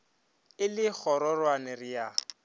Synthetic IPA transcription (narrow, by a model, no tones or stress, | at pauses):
ɪlɪk͡xʰɔɾɔrwanɪrija